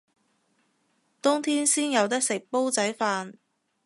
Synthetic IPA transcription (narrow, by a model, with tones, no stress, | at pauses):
t̪ʊ˥ŋt̪ʰiː˥nsiː˥njɐ˨˧wt̪̬ɪ˥k̚sɪ˨k̚po˥wt͡sɐ˨˥jfaː˧n